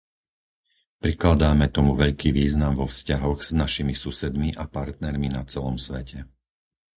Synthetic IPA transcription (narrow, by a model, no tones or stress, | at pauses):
pɾiklad̪aːmɛt̪ɔmuʋɛʎkiːʋiːznamʋɔfscaɦɔɣz̥naʃimisusɛd̪miʔapaɾt̪nɛɾminat͡sɛlɔmsʋɛcɛ